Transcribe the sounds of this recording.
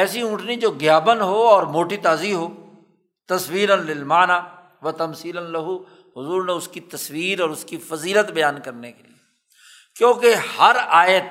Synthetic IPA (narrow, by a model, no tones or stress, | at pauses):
ɛːsiʊ̃ːʈʰnid͡ʒoːɡɪjaːbənɦoːɔːɾmoːʈit̪aːziɦoː | t̪ɐswiːɾənlɪlmaːnaː | ʋɐt̪ɐmsiːlənlɐɦu | ɦʊzuːɾnẽʊskit̪ɐsʋiːɾɔːɾʊskifɐziːlət̪bɐjaːnkɐɾnekelḭe | kjõːkehɐɾaːjət̪